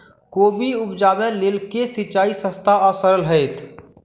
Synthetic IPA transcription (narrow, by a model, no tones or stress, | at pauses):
koːbʱiʊpd͡ʒaːbelɪlkesɪt͡ʃaːisə̃st̪ʰaəsəɾəlɦəet̪ʰ